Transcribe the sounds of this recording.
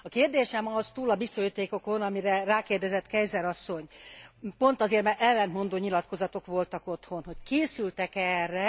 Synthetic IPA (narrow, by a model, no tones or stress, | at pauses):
ɒkeːrd̪eːʃɛmɒzt̪uːlɒbisːojit̪eːko̞ko̞nɒmiɾɛraːkeːrd̪ɛzɛt̪kɛjzɛɾɒsːo̞ɲpo̞nt̪ɒzeːrmɛɛlːɛnt̪mo̞nd̪oːɲilɒt̪ko̞zɒt̪o̞kʋo̞lt̪ɒko̞t̪ho̞nɦo̞ckeːsylt̪ɛkɛrːɛ